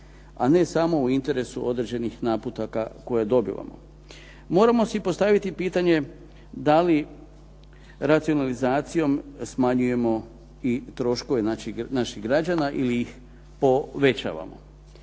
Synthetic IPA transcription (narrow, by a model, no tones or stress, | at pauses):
ane̞samo̞uint̪e̞ɾe̞suo̞d̪ɾed͡ʑe̞nixnaːput̪akako̞jad̪o̞bḭʋa̰mo̞̰ | mo̞ːɾamo̞sipo̞st̪aʋit̪ipiːt̪aɲe̞ | d̪ali | ɾat̪sio̞nalizaːt̪sijo̞msmaɲuje̞mo̞ | it̪ɾo̞ʃko̞ʋenainaʃiɣɡɾad͡ʒanaʔiliix | po̞ʋe̞t͡ɕa̰ːʋa̰mo̞̰